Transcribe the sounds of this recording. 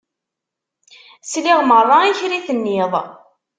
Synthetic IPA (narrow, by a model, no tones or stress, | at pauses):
sliʁmərˤːɑiçɾiθənːɪðˤ